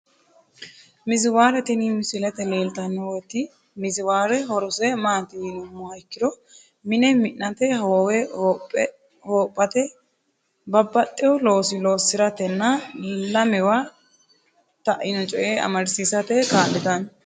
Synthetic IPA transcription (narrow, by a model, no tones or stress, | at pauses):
mɪzɪwaːɾɛt̪ɪnimɪsɪlɛt̪ɛleːlt̪ɐnːɔwɔt̪ːɪ | mɪzɪwaːɾɛɦɔɾʊsɛmaːt̪ɪnʊmːɔhɐjkːɪd̪ɔ | mɪnɛmɪnːɐt̪ɛhɐwɔwɛ | hoːpʼːɐt̪ɛ | bɐbːɐt̪ʼːɪjɔlo̞ːsɪlo̞ːsːɪɾɐt̪ɛnːɐlɐmɛwa | t̪ɐʔɪnɔt͡ʃʼɔjʔeːɐ̰mɐɾsiːsɐt̪ɛkaːɗɪt̪ɐn